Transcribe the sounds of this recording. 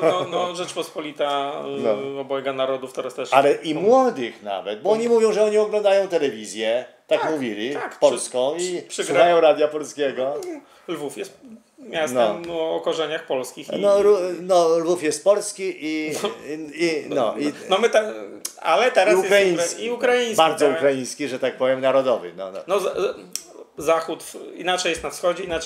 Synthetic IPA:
ɔnɔʐɛt͡ʂpɔspɔlʲit̪anɔɔbɔɛɡanaɾɔd̪uft̪ɛɾast̪ɛʂalɛʔimwɔd̪ɨxna̰vɛ̰t̪̚bɔɔɲimuvʲjɔ̃w̃ʐɛɔɲiɔɡlɔ̃nd̪ajɔ̃w̃t̪ɛlɛvʲizʲjɛt̪akmuvʲilʲiakpɔlskɔ̃w̃ipʂɨsɡɾuxajɔ̃w̃ɾad̪ʲjapɔlskʲeɡɔ | lvufjɛst̪ | mʲasnɔɔːkɔʐɛɲaxpɔlskʲixnɔlunɔlvufjɛst̪̚pɔlskʲiʔi | inɔinɔmɘt̪aa̰lɛt̪ɛɾasujɛkɾaiiukɾajĩɲbaɾd̪zɔukɾajĩj̃skʲiʐɛt̪ak̚pɔvʲjɛmnaɾɔd̪ɔvɨ̰nɔ̰nɔnɔz | zaxut̪ḭnat͡ʂɛjɛst̪nafsxɔd͡ʑɛina

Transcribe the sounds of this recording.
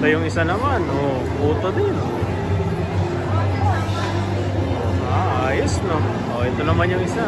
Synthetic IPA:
t̪ɐjʊŋɪsanɐmanʔo | puːt̪od̪ɪno | oaʔajosno | ʔoʔɛt̪onɐmanjʊŋɪsa

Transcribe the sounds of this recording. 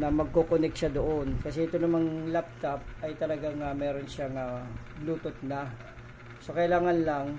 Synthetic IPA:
nɐmɐɡ̚kokonɛk̚ʃad̪oʔonkɐs̬ɛʔɪt̪onɐmaŋlap̚t̪ɐp̚ɐjt̪ɐlɐɡaŋamɛːɾo̞nʃaŋa | luːt̪ot̪̚nɐ | so̞kɐɪlaːŋɐnlaŋ

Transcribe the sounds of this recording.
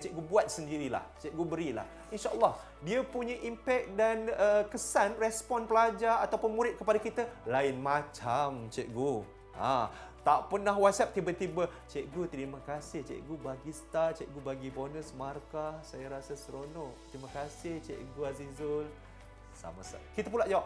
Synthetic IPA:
t͡ʃɛʔ̚ɡubuat̪̚səndiɾila̰ht͡ʃɛʔ̚ɡubəɾila̰h | inʃaʔəlːɑh | diəpuɲə̃ʔimpɛk̚danəkəsanrɛspɔnpəlad͡ʒaːt̪awpʊnmuɾɪt̪̚kəpadakit̪əlaɪnmat͡ʃamt͡ʃɛʔ̚ɡu | at̪aʔpənaɦwat̪̚sap̚t̪ibət̪ibət͡ʃɛʔɡut̪əɾimakasɪht͡ʃɛ̰ʔɡubaɡisə̥t̪art͡ʃɛʔɡubaɡibonəsmarkasajaɾasasəɾonɔʔt̪ɾimakasɪht͡ʃɛ̰ʔɡuazizʊl | sa̰masa̰kit̪ap̬unlaʔd͡ʒawap̚

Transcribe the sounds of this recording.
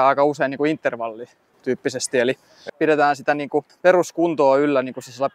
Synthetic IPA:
ɑˑikɑuseiniːkuint̪ːerʋɑlːi | t̪yːpːisest̪ieli | piɾet̪æːnsit̪æniːŋkuperuskunt̪oːylːæniːŋkusesielːæ

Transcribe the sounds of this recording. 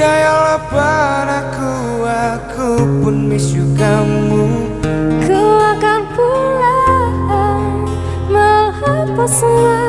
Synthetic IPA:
ajalabaɾaku | akʰupʊnmisukammu | kuakanpulaha | mahapasəma

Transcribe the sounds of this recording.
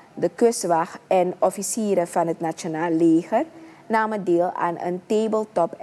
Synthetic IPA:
dəkøsʋɑxɛnɔfisiːɾəfɑnɦətnat͡ʃonaːlːeːxər | naːmədeːlˠa̰ːnə̰nteːbəlˠtɔp

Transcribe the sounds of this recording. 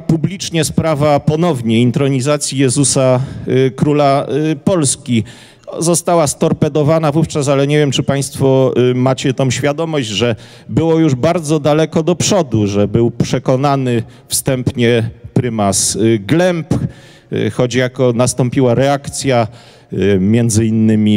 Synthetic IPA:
publʲit͡ʂɲɛspɾavapɔnɔvɲɛint̪ɾɔɲizat̪sʲjijɛzusakɾulapɔlskʲi | zɔst̪awast̪ɔɾpɛd̪ɔvanavuft͡ʂas̬alɛɲevʲjɛmt͡ʂɘpaj̃st̪fɔmat͡ɕɛt̪ɔ̃w̃ɕfʲjad̪ɔmɔʑd͡ʑʐɛ | bɘwɔjuʐbaɾd̪zɔd̪alɛkɔd̪ɔpʂɔd̪uʐɛbɘwpʂɛkɔnanɘ | fst̪ɛmpɲɛpɾɘmasɡlɛmp | xɔd͡ʑjakɔnast̪ɔmpʲiwaɾɛakt̪sʲja | mʲjɛnd̪zɘinːɘmʲi

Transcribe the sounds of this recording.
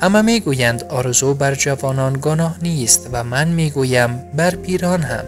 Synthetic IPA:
amameɡujænd̪ɒːɾezubæɾd͡ʒavɒːnɒːnɡonɒːhniːst̪væmænmiɡujæmbæɾpʰiːɾɒːnha̰m

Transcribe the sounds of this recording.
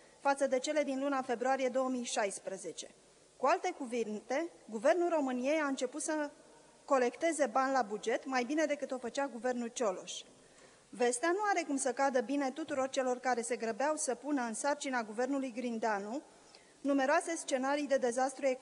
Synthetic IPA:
fat̪səd̪e̞t͡ʃe̞le̞d̪inlunafe̞bɾuaɾije̞d̪o̞wəmijʃajspɾəze̞t͡ʃe̞ | kualt̪e̞kuvint̪e̞ɡuve̞rnulro̞mɨnie̞jaɨnt͡ʃe̞put̪sə | ko̞le̞kt̪e̞ze̞banʲlabud͡ʒe̞t̪majbine̞d̪e̞kɨt̪o̞fət͡ʃaɡuve̞rnult͡ʃo̞lo̞ʃ | ve̞st̪eanuaɾe̞kumsəkad̪əbine̞t̪ut̪uɾo̞rt͡ʃe̞lo̞rkaɾe̞se̞ɡɾəbeawsəpunəɨnsart͡ʃinaɡuve̞rnulujɡɾind̪eanu | nume̞ɾoase̞st͡ʃe̞naɾijd̪e̞d̪e̞zast̪ɾue̞k

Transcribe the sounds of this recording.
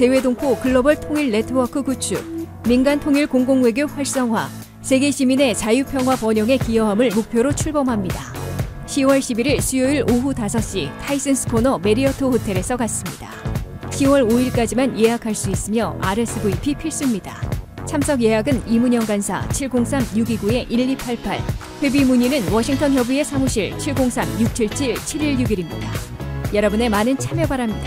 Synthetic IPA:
te̞we̞doŋpʰokɯɭːʌbʌɭtʰoŋiɭːe̞tʰɯwʌkʰɯkut͡ɕʰu | minɡantʰoŋiɭkoŋɡoŋwe̞ɡjoɸwaɭs͈ʌŋɦwa | sʰe̞ɡe̞ɕʰimine̞t͡ɕajupʰjʌŋɦwapʌɲʌŋe̞kijʌɦamɯɭmok̚pʰjoɾot͡ɕʰuɭbʌmɦamɲida | ɕʰiwʌɭɕʰibiɾiɭsʰujoiɭoɦutasʰʌɕ͈itʰais͈ɯnsʰɯ̥kʰonʌme̞ɾiʌtʰohotʰe̞ɾe̞sʰʌkas͈ɯmɲida | ɕiwʌɾoiɭk͈ad͡ʑimanje̞ɦakʰaɭs͈uis͈ɯmjʌaɾes͈ɯɡoipʰipʰiɭs͈umɲida | t͡ɕʰamsʰʌɡje̞ɦaɡɯnimuɲʌŋɡansʰa̰t͡ɕʰiɭɡoŋsʰamjuɡiɡue̞ʔiʎːipʰaɭpʰaɭ | ɸwe̞bimuɲinɯnwʌɕʰiŋtʰʌnjʌbue̞sʰamuɕʰiɭt͡ɕʰiɭɡoŋsʰamjuk̚t͡ɕʰiɭt͡ɕʰiɭt͡ɕʰiɾiɭjuɡiɾimɲidajʌɾʌbune̞manɯnt͡ɕʰamjʌbaɾamɲida

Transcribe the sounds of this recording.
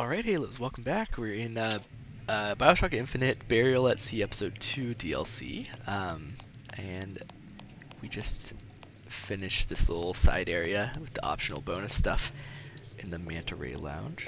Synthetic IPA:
ɔlˠɹaɪt̚heɪlət̚ʌswɛlˠkm̩bækʰwɪɹɪ̃nʌ | ʌbaɪblˠtʰɑkɨɪ̃ɱfɨnɨt̚b̥ɛɹil̩ˠətsiɛpə̥soʊd̚tʰʉdiɛ̰lˠsḭʌ̃m | ʔɨ̃n | wid͡ʒʌst | fɪnɨʃðɪslɪ̰ɾl̩ˠsa̰ɪɾɛɹiɨwɨðiʔɑ̰pʃn̩l̩ˠbõʊ̃nɨstʌfʔɨ̃nðɨmæ̃ntʰə˞ḛɪlã̰ʊ̃n̥ʒ̥

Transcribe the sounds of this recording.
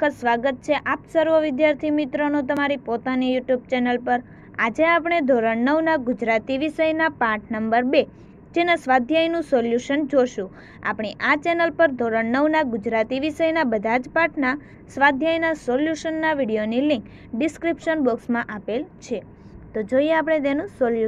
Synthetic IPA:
əsʋaɡət̪̚t͡ʃʰeʔapsəɾʋəʋɪd̪jaɾt̪ʰimit̪ɾonũt̪əmaɾipot̪anijuʈjub̚t͡ʃɛnəlpəɾ | ad͡ʒeapɳ̃ed̪ʱoɾəɳnəwnaɡʊd͡ʒɾat̪iʋiʃəjnapaʈʰnəmbəɾbe | d͡ʒenəsʋad̪ʱjajnũsoljuʃənd͡ʒoʃũ | a̰pɽ̃iʔat͡ʃɛnəlpəɾd̪ʱoɾəɳnəwnaɡʊd͡ʒɾat̪iʋiʃəjnabəd̪ʱad͡ʒpaʈʰna | sʋad̪ʱjajnasoljuʃənːaʋiɽijonilĩŋk | ɖɪskɾipʃənboksmãʔapelt͡ʃʰe | t̪od͡ʒoijeapɽ̃et̪̬enũsolju

